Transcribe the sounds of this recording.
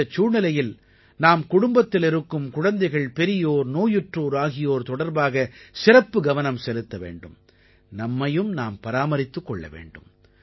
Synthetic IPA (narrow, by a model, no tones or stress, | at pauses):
ɐt͡ʃːuːɳɐlɐjɪl | naːmkʊɽʊmbɐt̪ːɪlɪɾɯkːɯmkʊɻɐnd̪ɐɪɣɐɭpɛɾɪjoːɾnoːjɯʈroːɾaːɣɪjoːɾt̪ɔɽɐɾbaːɣɐsɪɾɐpːɯɡɐʋɐnɐmsɛlɯt̪ːɐʋḛːɳɖɯm | nɐmːɐjɯmnaːmpɐɾaːmɐɾɪt̪ːɯkːɔɭːɐ̰ʋḛːɳɖɯm